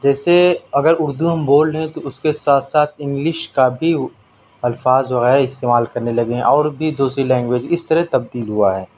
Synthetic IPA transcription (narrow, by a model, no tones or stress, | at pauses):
d͡ʒɛːseɐɡəɾʊɾd̪uɦɐmboːlɦɛ̃t̪oʊskesaːt̪ʰsaːt̪ʰɪ̃ŋɡlɪʃkabʱi | ɐlfaːzʋɐɣɛːɾɪst̪eːmaːlkɐɾnelɐɡeɦɛ̃ʔɔːɾbʱid̪uːsɾilɛ̃ːŋɡʋeːd͡ʒɪst̪ɐɾɛt̪ɐb̚d̪iːlɦuaɦɛː